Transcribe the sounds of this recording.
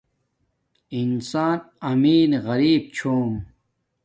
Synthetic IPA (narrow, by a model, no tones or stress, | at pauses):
insaːn | ɐmiːnɣɐɾiːb̚t͡ɕʰoːm